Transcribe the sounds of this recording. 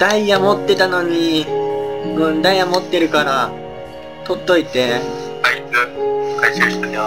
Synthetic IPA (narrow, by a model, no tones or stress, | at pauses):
d̪̥aijamo̞t̪ːe̞t̪ano̞ɲ̟i | ɯ̟̃nd̪aijamo̞t̪ːe̞ɾɯ̟kaɾa | t̪o̞t̪ːo̞it̪e̞ | kaiɯkaisẽɕi̥t̪an